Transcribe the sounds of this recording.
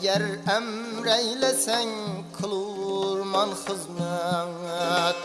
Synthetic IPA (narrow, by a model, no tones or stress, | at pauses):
ɡʲæɾæmɾæjlæsæŋkʰɨlˠwɾmɑnχəzmɨŋ